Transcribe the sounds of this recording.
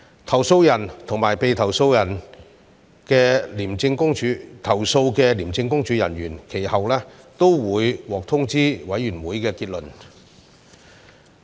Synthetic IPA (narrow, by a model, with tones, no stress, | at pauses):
t̪ʰɐ˨˩wso˧wjɐ˨˩nt̪ʰʊ˨˩ŋmaː˨˩jpe˨jt̪ʰɐ˨˩wso˧wjɐ˨˩n | kɛː˧liː˨˩mt͡sɪ˧ŋkʊ˥ŋt͡ʃyː˨˥t̪ʰɐ˨˩wso˧wkɛː˧liː˨˩mt͡sɪ˧ŋkʊ˥ŋt͡ʃyː˨˥jɐ̰˨˩nɥyː˨˩nkʰe˨˩jhɐ˨wlɛː˥t̪o˥wwuː˨˥jwɔː˨k̚t̪ʰʊ˥ŋt͡siː˥wɐ˨˥jːyː˨˩nwuː˨˥jkɛː˧kiː˧t̚lɵ˨˩n